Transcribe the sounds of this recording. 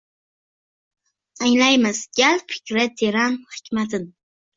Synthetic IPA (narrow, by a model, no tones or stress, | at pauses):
aŋlajmɪzɡʲalpʰɪ̥kʲɾat̪ʰeɾanhɪ̥kʲmat̪ʰɪn